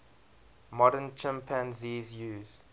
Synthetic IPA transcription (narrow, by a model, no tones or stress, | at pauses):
mɔɾənt͡ʃʰɛ̃mpʰãnziːzjuːz